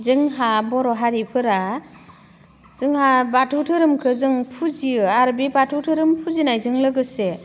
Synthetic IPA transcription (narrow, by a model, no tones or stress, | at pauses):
zɯŋɦabɔɾɔɦaɾipʰɯɾa | zɯŋhabatʰutʰɯɾɯmkʰɯzɯŋpʰuziɯaɾbibatʰutʰɯɾɯmpʰuzinajzɯŋlɯɡɯse